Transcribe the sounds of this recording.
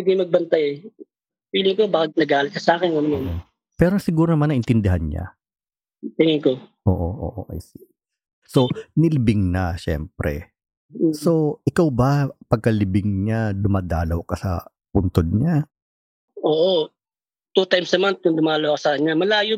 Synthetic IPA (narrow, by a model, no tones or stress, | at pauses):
iɡ̪ɪŋmɐɡ̚bɐnt̪ajɛ | wiːlɪŋkobaːkɐnɐɡaːlɪt̪̚kɐsaːkɪnɐnɐman | pɛːɾosɪɡuːɾonɐmanɐʔɪnt̪ɪnd̪ɪɦanɲa̰ | t̪ɪŋɪŋkoʔoːʔoʔo̰ʔo̰ʔa̰jsi | so̞nɪlɪbɪŋnɐʃɛ̰mpɾɛ̰ | so̞ʔɪkawbɐpɐɡ̚kɐlɪbɪŋɲad̪ʊmaːd̪aːlɐwkɐsɐ̰ | pʊnt̪od̪̚ɲa | ʔoːʔo | t̪uːt̪ajmsnɐmant̪̚kʊŋd̪ʊmaːlɐwkɐsɐkɐɲːamɐlaːjo